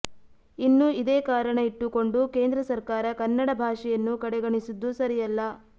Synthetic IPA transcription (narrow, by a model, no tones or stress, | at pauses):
inːuid̪eːkaːɾɐɳɐiʈːuko̞ɳɖuke̞ːnd̪ɾɐsɐɾkaːɾɐkɐnːɐɽɐbʱaːʂɛjɐnːukɐɽɛɡɐɳisud̪ːusɐɾijɐlːɐ